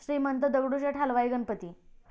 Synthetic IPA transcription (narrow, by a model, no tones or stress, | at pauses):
ɕɾiːmənt̪əd̪əʋɽut͡ɕeʈʰalʋajɡənpət̪iː